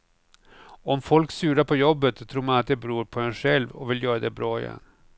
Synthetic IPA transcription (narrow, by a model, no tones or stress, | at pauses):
ɔmfɔlksʉ̟ːɾapʰɔjɔbːət̪sɔt̪ʰɾuːɾmanat̪̚d̪ɛbɾuːɾpʰɔɛnɧɛlvɔ̰vɪljœːɾad̪ɛbɾɑːɪ̰jɛ̰nː